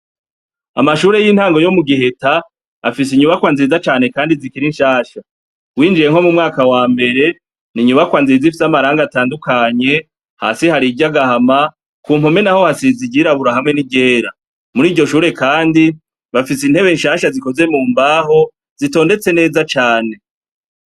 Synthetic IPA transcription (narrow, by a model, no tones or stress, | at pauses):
a̰maʃuːɾe̞jiːn̥haːŋɡo̞jo̞muɡiɦe̞ta̰ː | fis̬iɲuβakwaːnzizat͡ʃaːne̞kaːndizikiɾinʃaːʃa | wiːnd͡ʒije̞ŋho̞mumŋaːkawaːmbe̞ɾe̞ | niɲuβakwaːnziizifi̥samaɾaːŋɡataːndukaɲe̞ | ha̰ːsihaɾiɟaɡahama | kuːmome̞naho̞hasiziɟiɾaβuɾaɦamŋe̞niɟe̞ːɾa | muɾiːɟo̞ʃuːɾe̞kaːndi | βafisin̥he̞βe̞nʃaʃaziko̞ze̞muːmbaːɦo̞ | z̥ito̞ːnde̞t͡se̞ne̞ːzat͡ʃaːne̞